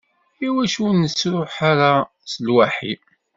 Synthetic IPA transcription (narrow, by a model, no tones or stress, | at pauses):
iwæʃunəsɾʊħaɾa | səlwaħḭ